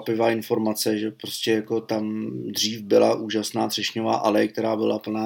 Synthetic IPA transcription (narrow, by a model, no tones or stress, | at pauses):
pɪvaːɪnfo̞ɾmat͡sɛʒɛpɾo̞scɛjako̞t̪amd̪r̝iːfbɪla̰ʔuːʒasnaːd̪r̥ɛʃɲova̰ːʔalɛjk̚t̪ɛɾaːbɪlapl̩naː